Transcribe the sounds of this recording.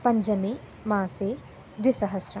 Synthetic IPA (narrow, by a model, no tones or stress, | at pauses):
pɐ̃ɲd͡ʒɐmẽ | mãːse | d̪wɪsɐɦɐsɾɐ